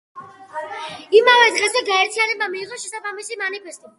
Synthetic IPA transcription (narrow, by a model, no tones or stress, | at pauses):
imavɛd̪ʁɛzɛɡaɛɾt̪ʰijanɛbamiːʁɔʃɛsabamisimanipʰɛst̪ʼi